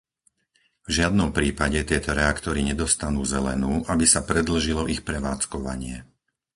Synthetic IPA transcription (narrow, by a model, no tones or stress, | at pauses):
vʒɪad̪nɔmpɾiːpaɟɛt̪ɪɛt̪ɔɾɛakt̪ɔɾiɲɛd̪ɔst̪anuːzɛlɛ̰nuːʔabisapɾɛd̪l̩ʒilɔʔixpɾɛʋaːt͡skɔʋa̰ɲɪɛ